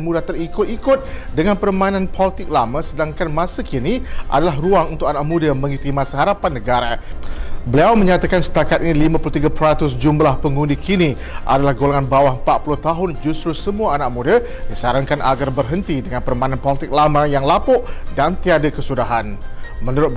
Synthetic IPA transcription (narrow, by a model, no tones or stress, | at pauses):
mũdat̪əɾikʊt̪̚ikʊt̪̚dəŋanpərmãinãnpɔlit̪ɪk̚lamãsədaŋkanmãsəkiniʔa̰dalaɦruaŋunt̪ʊk̚anaʔ̚mũdamə̃ŋit̪imasəɦaɾapanːəɡaɾa | bəliawmə̃ɲat̪akansə̥t̪akat̪̚inĩlimãpulot̪iɡapɾat̪ʊsd͡ʒumblahpəŋundikʰini | ʔa̰dalahɡolaŋanbawahəmpat̪̚pulʊht̪aɦʊnd͡ʒust̪ɾusəmuaːnaʔ̚mũda | disaɾankanʔaɡarbərɦənt̪idəŋanpərmainanpɔlit̪ɪk̚lamãjaŋlapʊʔdant̪iadakəsudaɦanmə̃nuɾʊt̪̚